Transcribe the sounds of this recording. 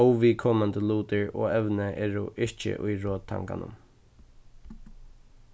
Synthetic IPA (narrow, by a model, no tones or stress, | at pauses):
ɔwʋikʰɔmand̪əluːt̪əɹɔːɛʋnəʔɛːɹʊʔɪɹt͡ʃə̰ʔʊjɹoːt̪ʰa̰ŋka̰nʊ̰m